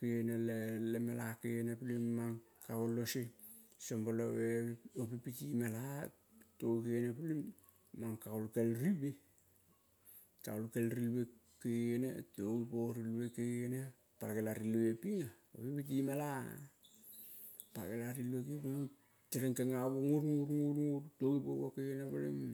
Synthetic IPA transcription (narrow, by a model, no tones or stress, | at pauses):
keenelelemalakejenepilimːaŋ | kakolosesomboloweopipitimala | tokeenepulimː | aŋkaolkelɾibe | taolkelɾilwekeɡenḛtoɡipoɾilwekeɡeene | paɾɡelaɾiluepiŋa | opipit̬imala̰ | paɾkelaɾiluekepulim | teɾeŋkeŋaβoŋuɾŋuɾŋuɾŋuɾtoɡipoβokeenapalḭm